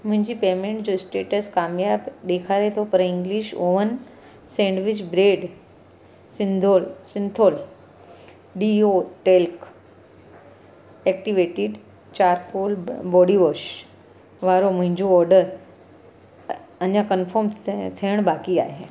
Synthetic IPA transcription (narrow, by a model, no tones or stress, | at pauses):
mʊ̃ɦɪ̃ɲd͡ʑipeːmẽːɳʈd͡ʑoɪsʈeːʈəskaːmjaːbɗ̪eːkʰaːɾet̪ʰopɐɾɪ̃ŋɡliʃoːʋən | sẽːɳɖʋɪt͡ɕbɾeːɖ | sɪ̃nd̪ʱolsɪ̃nt̪ʰoːl | ɖioʈelk | ek̚ʈiʋeːʈɪɖ | t͡ɕaːɾkoːlbɔːɖiʋoːʃ | ʋaːɾomʊ̃ɦɪ̃ɲd͡ʑoɔːɾɖəɾ | ɐɲãkənfʰoːɾmt̪ʰijəɽ̃baːkia̰ːɦeː